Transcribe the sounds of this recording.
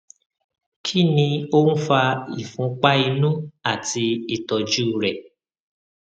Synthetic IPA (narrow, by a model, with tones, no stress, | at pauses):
kʰi˦˨nĩ˧o˦n̩˦fa˧i˨fũ˨˦k͡pa˦i˧nũ˦a˦˨ti˧i˦˨tɔ˨d͡ʒu˦˨ɾɛ˨